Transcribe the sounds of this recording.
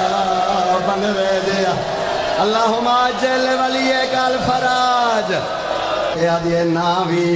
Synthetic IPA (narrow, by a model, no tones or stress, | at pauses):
bəneʋeːd̪eːaː | əlːaːɦʊmaːd͡ʒeːleːʋaːliːeːkaːlpʰəɾaːd͡ʒ | eːaːd̪ieːnãːʋi